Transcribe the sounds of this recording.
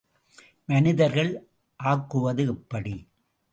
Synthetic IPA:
mɐnɪðɐɾɣɐɭ | ʔaːkːɯʋɐðɯɪpːɐɽi

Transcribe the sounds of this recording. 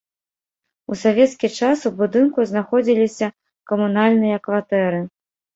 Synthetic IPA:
usavʲɛt̪skʲit͡ʂasubud̪ɨnkuznaxɔd͡zʲilʲisʲɐ | kɐmunalʲnɨjɐkvat̪ɛɾɨ

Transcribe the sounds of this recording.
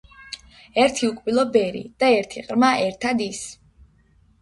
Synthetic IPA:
ɛɾt̪ʰiukʼbilˠɔbɛɾḭd̪̥aɛɾt̪ʰiqʼɾmaʔɛɾt̪ʰad̪is

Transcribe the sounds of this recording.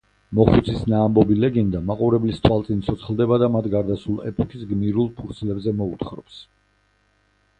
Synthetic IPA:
mɔχut̪sʰisnaːmbɔbilɛɡɛnd̪amaqʼuɾɛblist̪ʰwalˠt̪sʼint̪sʰɔt̪sʰχlˠd̪ɛbad̪amat̪ʰɡaɾd̪asulˠɛ̰pʼɔkʰisɡmiɾulˠpʰuɾt̪sʰlɛbzɛmɔut̪χɾɔps

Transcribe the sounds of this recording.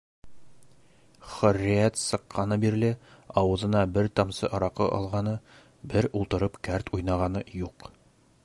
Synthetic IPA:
χɵ̆rːijæt̪sɤ̆qʰːɑnɤbiɾlɘɒwɤ̆zɤ̆nɑbɘɾt̪ɑmsɤ̰ʔɑɾɑqɤ̰ʔɒ̰lˠʁɑnɤ | bɘɾulˠt̪ɤ̆ɾɤpkæɾt̪ʰujnɑʁɑnɤjuq

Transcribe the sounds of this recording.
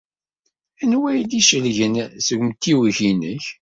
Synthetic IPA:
ænwæjd̪iʃəlʝənsəɡmt̪ːiwçinəç

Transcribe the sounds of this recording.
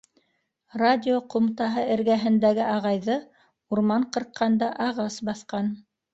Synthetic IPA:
radʲɪoqŏmt̪ɑɦɤɘ̆ɾɡæɦɘ̆nd̪æɡɘʔɑʁɑjðɤ | uɾmɑɴqɤ̆ɾqʰːɑnd̪ɑʔɑʁɑsbɑθqɑn

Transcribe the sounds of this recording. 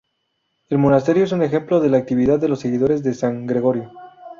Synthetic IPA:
e̞lmo̞nast̪e̞ɾjo̞es̬une̞xe̞mplo̞ðe̞laːk̚t̪iβiðaððːelo̞sːe̞ɣiðo̞ɾezðe̞saŋɡɾe̞ɣo̞ɾjo̞

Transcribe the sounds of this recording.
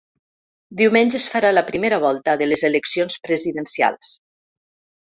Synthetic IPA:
d̪iwmenʲʒəsfaɾaləpɾimeɾaβ̞ɔlˠt̪əðələzeləksionspɾəziðənsia̰lˠs

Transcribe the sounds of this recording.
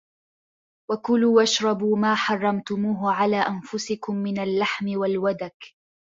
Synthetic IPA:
wakʊluːʔaʃɾˤɑbuːmaːħɑrˤːɑmt̪ʊmuːɦʊʕalaːʔanfʊsɪkʊmːɪnalːaħmɪwalwad̪ak

